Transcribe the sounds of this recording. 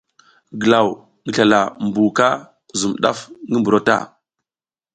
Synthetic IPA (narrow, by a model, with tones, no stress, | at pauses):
ɡə˨la˨w | ŋi˦ɬa˨la˨mbu˨ka˦ | zu˨mɗa̰˦fŋɡi˦mbu˨ɾo˦ta̰˦˨